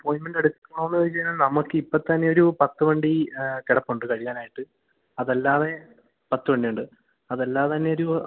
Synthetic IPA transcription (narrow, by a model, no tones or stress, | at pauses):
poːjnmɐndɐɽuk̪ːikːɐnːoʋɐnːɐɐnɨt͡ɕejinːaːlnɐmɐkːɨipːɐt̪ːɐnːe̞o̞ɾupɐt̪ːɨʋɐɳɖikeɽɐpːuɳɖɨkɐɻijaːnaːjiʈːɨ | ɐðelːaːʋe̞ | pɐt̪ːɨʋɐɳɖiuɳɖɨ | ɐðelːaːʋet̪ɐnːe̞o̞ɾu